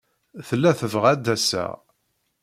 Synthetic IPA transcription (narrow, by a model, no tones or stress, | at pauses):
θəlːæθəvʁæd̪ːæsæ̰